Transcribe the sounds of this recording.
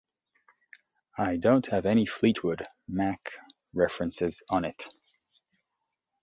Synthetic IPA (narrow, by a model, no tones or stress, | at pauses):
aɪdõʊ̃nt̚hɨvɛɾ̃iflit̚ʰwʊd | mæk | ɹɛfɹɨ̃nsɪzn̩ɪt